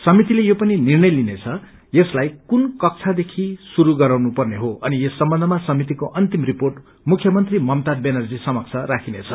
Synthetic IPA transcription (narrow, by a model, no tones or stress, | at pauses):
sʌmit̪ilejopʌninirnʌjlinet͡sʰʌ | jeslajkunkʌk̚t͡sʰad̪ekʰisuɾuɡʌɾawnupʌrneɦoʌniesːʌmbʌnd̪ʱʌmasʌmit̪̬ikoʔʌnt̪imriporʈ | mukʰjʌmʌnt̪rimʌmt̪abenʌrd͡zisʌmʌkt͡sʰʌɾakʰinet͡sʰʌ